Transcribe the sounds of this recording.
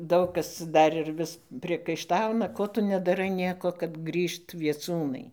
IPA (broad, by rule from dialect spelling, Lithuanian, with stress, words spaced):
ˈdɐʊk kɐs ˈdɐr ɪr ˈʋʲɪs pʲrʲiɛkɐɪˈʃtɐʊnɐ ˈkoː tʊ nʲɛdɐˈrɐɪ ˈnʲiɛkoː kɐt ˈɡrʲiːʃt ʋʲiɛˈt͡suːnɐɪ